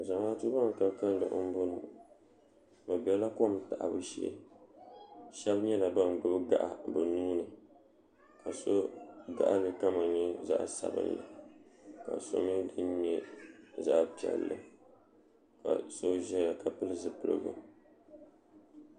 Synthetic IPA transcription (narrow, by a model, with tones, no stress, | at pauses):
za˨ma˦tu˦ba˦ŋ˨ka˨ka˦n˦lo˨ʔʊ˦m˦bo˦nu˨ | ba˨bɛ˦la˦ko˦˨m˦ta˨ʔa˨bɨ˦ʃɛ̰˦˨˦ | ʃɛ˦bɲɛ˦la˨ba˦n˨bɨ˦bɨ˦ɡa̰˨ʔa̰˨bɨ˨nuː˦nɨ˨ | ka˨so˦ɡa˦˨ʔa˦lɨ˨ka˦ma˨ɲɛ˦za̰˦ʔsa˨bɨ̰˦nla̰˨ | ka̰˨so̰˦mɨ˦dɨ˦nɲɛ˦za˦ʔpi˨ɛ̰˨lːɨ˨ | ka̰˨so˦ʒɛ˦ja˨ka˨pɨ˦lɨ˦zɨ˨pɨ˨lɨ̰˦ɡɨ̰˦